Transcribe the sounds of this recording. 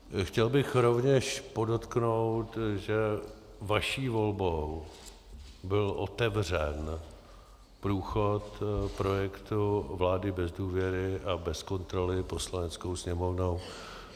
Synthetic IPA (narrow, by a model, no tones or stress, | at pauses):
xcɛlbɪxɾo̞vɲɛʃpo̞do̞t̪knowt̪ʒɛ | vaʃiːvo̞lbow | bɪlʔo̞̰t̪ɛvr̝ɛn | pɾuːxot̪pɾo̞jɛkt̪uvlaːdɪbɛzduːvjɛɾɪʔabɛsko̞nt̪ɾo̞lɪpo̞slanɛt͡sko̞wsɲɛmo̞vno̞w